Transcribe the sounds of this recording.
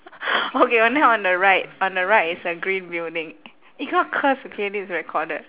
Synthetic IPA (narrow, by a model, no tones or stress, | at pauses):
okebənaʊɔ̃ndəɹaɪt̚ɔ̃ndəɹaɪtisəɡɹĩnbildɪ̃ŋ | iɡɔkʰəsukʰedisɹɛkʰɔdəd̚